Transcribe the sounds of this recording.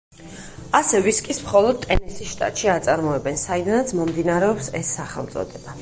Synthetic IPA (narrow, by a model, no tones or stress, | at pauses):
asɛviskʼismχɔlˠɔd̪̚t̪ʼɛnisisʃt̪ʼa̰t̪ʼʃiat̪sʼaɾmɔɛbɛnsaid̪anat̪sʰmɔmd̪inaɾɛɔpsɛsːaχɛ̰lˠt̪sʼɔ̰d̪ɛba